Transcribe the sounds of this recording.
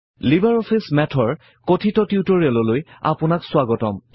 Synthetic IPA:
libaɹɔpʰismɛtʰɔɹ | kotʰitɔtiutɔɹiɛlɔloja̰pʊnaksʊwaɡɔtɔ̰m

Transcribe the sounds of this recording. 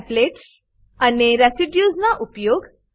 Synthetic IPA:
pleʈs | aneɾɛsiɖjuznaʔupjoɡ

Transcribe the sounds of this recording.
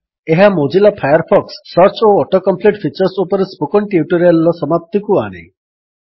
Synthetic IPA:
eɦamod͡ʒilapʰajaɾpʰɔksːʌɾt͡ʃoɔʈɔkɔmpliʈpʰit͡ʃɔɾsupɔɾespukɔɳʈiuʈɔɾialɔsɔmap̚t̪ʰikua̰ɽ̃ḭ

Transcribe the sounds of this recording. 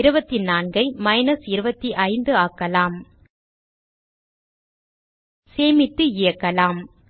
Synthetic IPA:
ɪɾɯbɐt̪ːinaːnɡɐɪmɐɪnɐsɪɾɯbɐt̪ːiʔɐɪnd̪ɯakːɐlaːm | seːmɪt̪ːɯɪjɐkːɐlaːm

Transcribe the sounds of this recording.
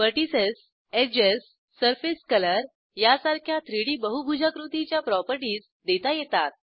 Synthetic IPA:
pəʈises | ed͡ʑesː | əɾfeskələɾ | jasaɾkʰjat̪ɾiɽiːbəɦubʱud͡ʑʱakɾut̪it͡ɕjapɾɔpəɾʈiːs | d̪et̪ajɛt̪at̪̚

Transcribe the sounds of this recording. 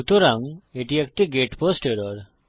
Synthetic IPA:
ut̪ɔɾaŋeʈiak̚ʈiɡeʈpɔsʈeɾɔɾ

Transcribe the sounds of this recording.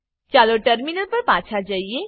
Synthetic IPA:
t͡ʃaːloʈəɾminəlpɐɾpãːt͡ʃʰad͡ʒaːie

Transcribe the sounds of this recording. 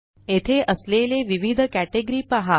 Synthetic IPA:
et̪ʰeʔəsleleʋiʋid̪ʱəkæʈeɡɾipaɦa

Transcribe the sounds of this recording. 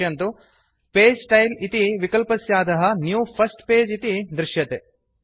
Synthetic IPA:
ɐnt̪u | peːd͡ʒsʈɐjlit̪iʋikɐlpɐsjaːd̪ɐɦɐnjuːpʰɐsʈpeːd͡ʒit̪id̪ɾɪʃjɐt̪e

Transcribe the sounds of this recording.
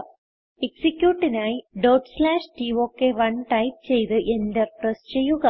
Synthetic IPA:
eksikʲjuːʈːinaːjiɖoːʈslaːʂʈiʋoːkːeʋɐɳʈɐjp̚t͡ɕe̞jt̪ɨʔend̪eprest͡ɕe̞jːuɣɐ

